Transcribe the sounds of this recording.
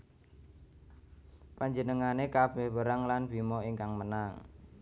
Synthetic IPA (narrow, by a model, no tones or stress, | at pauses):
paɲd͡ʒənəŋanekab̥ɛhwəɾaŋlanbimɔiŋkaŋmənaŋ